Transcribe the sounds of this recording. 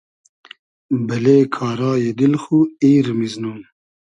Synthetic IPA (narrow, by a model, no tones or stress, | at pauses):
bɐleːkʰaːɾaːjed̪ilxuiːɾmiznuːn